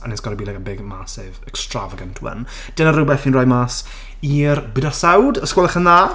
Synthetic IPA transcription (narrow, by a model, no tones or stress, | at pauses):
anɛsɡ̥ɔɾəbiːlˠɛɡənbɪɡmasɪvɛkstra̰vəɡəntʰwə̰n | d̥ɪnaɾrəbɛθinrɔjmaːs | iːrbɪdasawdəskwɔlˠəχənðaː